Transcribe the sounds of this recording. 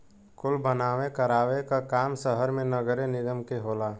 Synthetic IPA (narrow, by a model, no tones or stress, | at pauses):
kʊlbənaːʋekəɾaːʋekakaːmsəɦəɾmẽnəɡəɾenɪd̪əmkeɦoːlaː